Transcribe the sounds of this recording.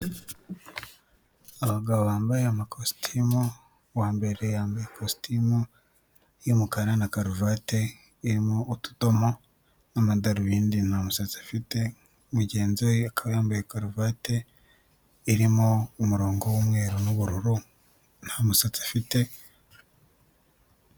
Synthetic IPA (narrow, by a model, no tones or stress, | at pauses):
aβaɡaβoβaːmbajeamakʰostʰimu | waːmbe̞ɾe̞jaːmbajekostimu | jimukaɾanakaɾuvaːte̞ | iɾimoːtu̥to̞mo | namadaɾuβiːndinhamusat͡sḁfite̞ | muɟe̞ːnzoakʰaβjaːmbajekaɾuvaːte̞ | iɾimoumuɾo̞ːŋɡo̞womŋwe̞ːɾonuβuɾuɾu | n̥hamusat͡sḁfite̞